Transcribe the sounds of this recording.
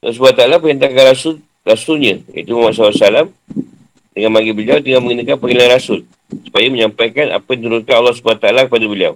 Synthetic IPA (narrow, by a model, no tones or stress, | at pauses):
lɔs̬ubat̪aalapəɦənt̪akanɾasʊl | rasʊlɲaja̰it̪umamas̬alasalam | dəŋanmaɡibəliawd̪əŋamə̃ŋɡinakanpəɡilanrasʊl | su̥pajaməɲampajkana̰pajad̪nit̪uɾʊnkanalːɔhs̬ubat̪aalakəpadabəlia̰w